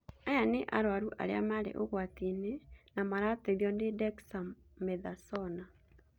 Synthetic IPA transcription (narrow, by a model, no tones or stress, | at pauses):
ajaneʔa̰ɾwaɾuʔa̰ɾḛamaɾḛʔoɣwatinenamaɾateðjɔnedɛksa | meðasɔna